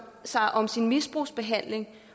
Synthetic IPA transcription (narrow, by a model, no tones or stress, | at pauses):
sɑ̈ɪʔɒ̽msinmisb̥ʁuːsb̥e̝ɦæn̰le̝ŋ